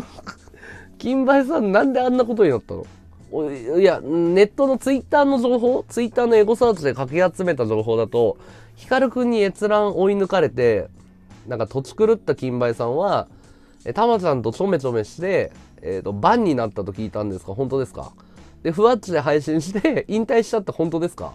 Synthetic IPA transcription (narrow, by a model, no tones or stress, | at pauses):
kʲĩmbais̬ãnːãnd̪e̞ãnːako̞t̪̬o̞ɲ̟inat̪ːa̰no̰ | iãne̞t̪ːo̞no̞t͡sɨit̪ːaːno̞ʑo̞ːɦo̞ːt͡sɨit̪ːaːno̞e̞ɡo̞saːt͡ɕɨd̪e̞kakʲiat͡sɨme̞t̪aʑo̞ːɦo̞ːd̪at̪o̞ | çi̥kaɾɯ̟kɯ̟̃ɲ̟ːie̞t͡sɨɾãɰʔo̞inɯ̟kaɾe̞t̪e̞ | nãŋkat̪o̞t͡ɕi̥kɯ̟ɾɯ̟t̪ːakʲĩmbaisãɰ̃βa | et̪amat͡ɕãnt̪o̞t͡ɕo̞me̞t͡ɕo̞me̞ɕi̥t̪e̞̰ː | t̪ːo̞bãɲ̟ːinat̪ːat̪o̞kʲiːt̪ãnd̪e̞sɨ̥ka̰ɦo̞nt̪o̞d̪e̞sɨ̥ka̰ | d̪̥e̞ɸɯ̟at͡ɕid̪e̞ɦaiɕĩɰ̃ɕi̥t̪eĩnt̪aiɕi̥t͡ɕat̪ːahõ̞nt̪o̞d̪e̞sɨ̥ka̰